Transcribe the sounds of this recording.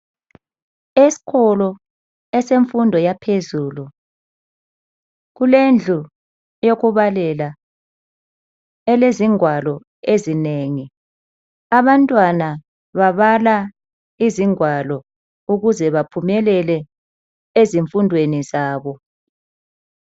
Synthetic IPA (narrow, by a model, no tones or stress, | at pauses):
esi̥ɣɔlɔ | ɛseɱfundʱɔjapʰezuːlu | ɣulend͡ɮʱu | joɣuβalɛla | ɛleziŋwalɔ | ezineŋi | aβantʼwana | βaβala | iziŋwalɔ | uɣuzɛβapʰumɛlɛlɛ | eziɱfundʱwenizaːβɔ